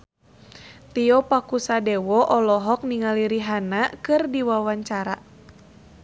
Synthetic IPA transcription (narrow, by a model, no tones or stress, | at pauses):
t̪iɔpakusadɛwɔʔɔlɔɦɔk̚niŋaliɾiɦanakɨrdiwawaɲt͡ʃaɾa